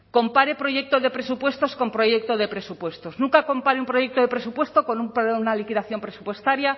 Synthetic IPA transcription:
ko̞mpaɾe̞pɾo̞ʝe̞k̚t̪oðe̞pɾe̞supwe̞st̪o̞sko̞mpɾo̞ʝe̞k̚t̪oðe̞pɾe̞supwe̞st̪o̞znũŋkako̞mpaɾeumpɾo̞ʝe̞k̚t̪oðe̞pɾe̞supwe̞st̪o̞ko̞numpnalikiðaθjo̞mpɾesupwe̞st̪aɾja

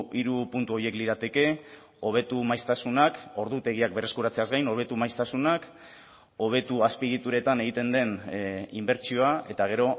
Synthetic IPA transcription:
iɾupunt̪uo̞jie̞kliɾat̪e̞ke̞ | o̞β̞e̞t̪umajst̪asunako̞ɾðut̪e̞ɣiak̚be̞re̞skuɾat͡se̞azɡajno̞β̞e̞t̪umajst̪asunak | o̞β̞e̞t̪uaspið̞it̪uɾe̞t̪ane̞ɣ̞it̪e̞nd̪e̞nimbe̞ɾt͡ʃio̞ae̞t̪aɣ̞e̞ɾo̞

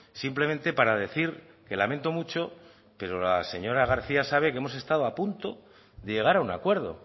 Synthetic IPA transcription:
simple̞mẽ̞nt̪e̞paɾaðe̞θiɾ | ke̞lament̪o̞mut͡ʃo̞ | pe̞ɾo̞lase̞ɲo̞ɾaɣ̞aɾθiasaβ̞e̞kee̞mo̞se̞st̪aðoapunt̪o̞ | ðe̞ʝe̞ɣ̞aɾauna̰kwe̞ɾð̞o̞̰

